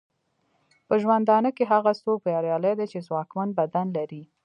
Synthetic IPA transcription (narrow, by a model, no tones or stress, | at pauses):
pəʒwand̪ɑnəkeɦaɣast̪opjɑɾjɑləjd̪at͡ʃezwɑkmanbad̪anlaɾi